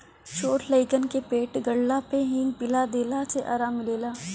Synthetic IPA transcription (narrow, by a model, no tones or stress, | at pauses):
t͡ʃʰoːʈləɪkənkepeːʈɡəɽlapeɦɪ̃ŋɡpɪlad̪eːlaseʔa̰ːɾaːmɪleːlaː